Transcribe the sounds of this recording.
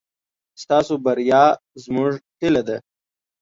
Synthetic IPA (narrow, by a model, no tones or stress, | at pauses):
st̪ɑːsobɐɾjɑː | zmʊʐʈɪlɐd̪ɐ